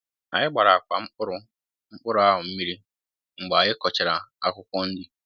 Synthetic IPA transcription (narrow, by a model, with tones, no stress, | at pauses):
a̰˨ɲɪ˦ɡ͡ba˨ɾa˨kʷa˨m̩˦k͡pʊ˦ɾʊ˦ | ŋ͡m̩˦k͡pʊ˦ɾʊ˦a˦ɦʊ˨m̩˦mi˦ɾi˦ | ŋ͡m̩˨ɡ͡ba˨ɲɪ˦kɔ˨t͡ʃe˨ɾa˨a˦kʷʊ˦kʷɔ˦n̩˦dɪ˨